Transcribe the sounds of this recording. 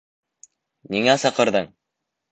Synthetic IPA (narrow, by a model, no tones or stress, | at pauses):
niŋæsɑ̆qɤ̆ɾðɤɴ